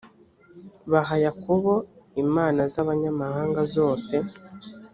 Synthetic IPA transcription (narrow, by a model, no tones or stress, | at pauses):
βaɦajakuβoimaːnazaβaɲamahaːŋɡazo̞ːse̞